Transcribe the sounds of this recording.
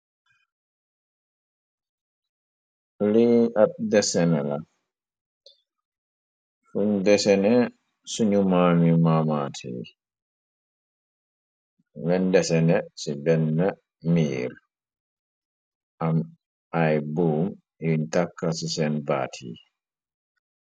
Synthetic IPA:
liat̚dɛsɛnɛla | fuɲdɛsɛnɛ | suɲumamimamatʰḭ | bɛndɛsɛnɛsibɛnːa | miːɾ | ʔam | ʔajbuːm | juɲtakːasisɛnba̰tʰḭ

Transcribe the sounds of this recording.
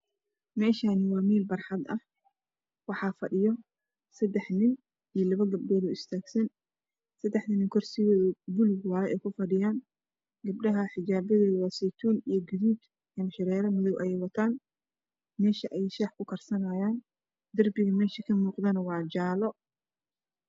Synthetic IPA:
mɛːʃaːnɪwɑːmiːlbɐrħɑd̪ɐh | wɑħɑfɐɗɪjɔ | sɐd̪ɛħnɪn | ijɔlɐβɐɡɐb̚ɖɔːðʊɪst̪ʰaːɡsɐn | sɐd̪ɛħt̪ɐnɪŋkʰɔrsɪɣɔːðɐbʊlɪɡwɑːɛʔɛːjkʰʊfɐɖɪjaːn | ɡɐb̚ɖɐɦɐħɪd͡ʒaːbɐðɛːðʊwɑːsɛt̪ʰuːnijɔɡɪðuːd̪ | jɐmʃɪɾɛːɾɐmʊðɔwʔɐjɛjwɐt̪ʰaːn | mɛːʃɐʔɛjʃaːħkʰʊkʰɐrsɐnaːjaːn | d̪ɐrbɪɣɐmɛːʃɐkʰɐmuːqðɐnɐwɑːd͡ʒaːlɔ

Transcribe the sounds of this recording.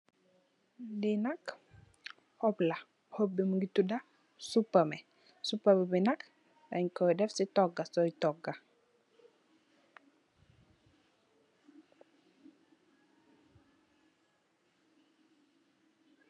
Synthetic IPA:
dinak | hɔbla | hobːiməŋɡituda | supːamɛ | supːabibinak | daɲkɔjdɛfsitɔɡːasɔjtɔɡa

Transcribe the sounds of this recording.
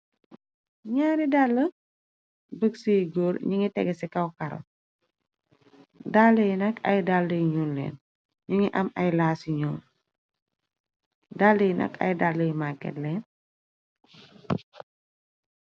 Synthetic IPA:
ɲaːɾidalːə | bəksijɡoːɾɲiŋitɛɡɛsikɐwkɐɾɐ̰ | dalːəjnɐkʰɐ̰jdalːəjɲulːɛ̰ːn | ɲuŋiʔɐmɐjlaːsiɲɔːl | dalːəjnʔɐ̰kɐ̰jdalːəjmakːɛ̰tlɛːn

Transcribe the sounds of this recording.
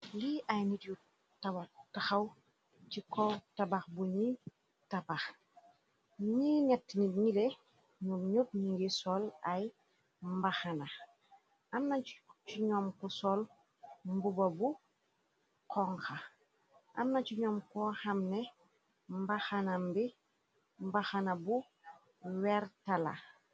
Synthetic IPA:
liʔajnitju | tabataxaw | t͡ʃikɔtabaxbuɲi | tabax | ɲinɛtːniɲile | ɲumɲut̚ɲiŋɡisɔlaj | mbaxana | amnat͡ʃuɲɔːmkusɔl | mbubɐbu | kɔŋxa | ʔa̰mnacuɲɔːmkɔhamnɛ | mbaxanambi | mbaxanabu | wɛɾtala̰

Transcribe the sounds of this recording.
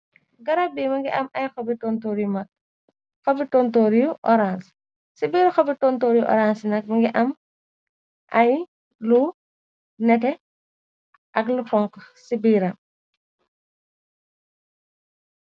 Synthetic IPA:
ɡɐɾabiːmɐŋɡiʔɐmɐjxɔbitɔntoːɾjumɐk̚ | xɔbitɔːntoːɾjuʔɔ̰ɾans | sibiːɾxɔbitɔntoːɾjuʔɔ̰ɾansinɐk̚mɐŋɡiʔɐm | ʔɐj | lu | nɛtɛ | ʔɐklufɔŋksibiːɾɐ

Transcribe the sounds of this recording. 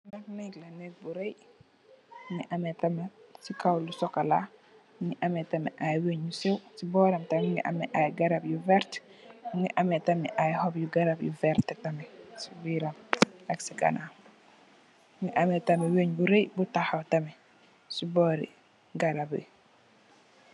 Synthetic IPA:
nɐknɛklɐnɛk̚buɾej | ŋiʔɐmɛtɐmesikawlusɔkɐla | ŋiʔɐmɛtɐmɛ̰ʔajweɲjusɛwsibɔːɾɐmtɐmŋḭʔɐmɛʔajɡɐɾabjuvɛɾt | ŋiʔɐmɛtɐmɛʔajhɔbjuɡɐɾabjṵvɛɾtɛtɐmɛsiwiɾɐmɐksiɡɐ̰na | ŋiʔɐmetɐmɛweɲbuɾejbutahɐwtɐmɛ | sibɔɾḭ | ɡɐɾabḭ

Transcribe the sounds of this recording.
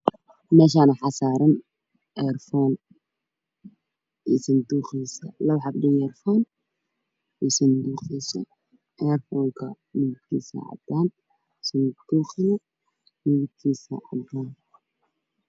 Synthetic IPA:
mɛːʃ̬aːnɐħɑsaːɾɐn | ʔɛrfɔːn | isɐnd̪uːχiːsɐlɐwħɑbdɪjɛrfɔːn | isɐnd̪uːqiːsɐ̰ | ʔɛrfɔːŋkʰɐ | mɪɣɪd̪kʰiːsɐ̰ʕɑ̰d̪aːn | sɐnd̪̥uːχɪnɐ | mɪɣɪd̪kʰiːsɐ̰ɐb̪aːn

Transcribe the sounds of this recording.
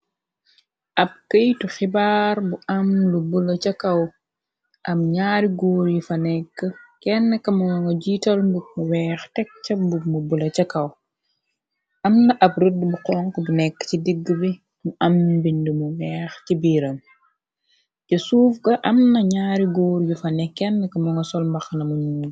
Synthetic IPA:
ʔɐp̚kəjtuxibaːɾbuʔɐmlubulɐt͡ʃɐkɐw | ʔɐmɲaːɾiɡoːɾjifɐnɛkːəkɛnːɐkɐmɐwɐŋɡɐɟiːtɐlnbuk̚muwɛːxtɛk̚t͡ʃɐbumubulɐt͡ʃɐkɐw | ʔɐmnɐʔɐb̚rudːbuqɔːŋkəbunɛkːə̥cidiɡːəbi | muʔɐmbindumuwɛːxcibiːɾɐn | ɟɐsuːfɡɐʔɐmnɐɲaːɾiɡoːɾjufɐnɛkːɛnːəkɐmɐŋɡɐsɔlmbɐxnɐmuɲuː

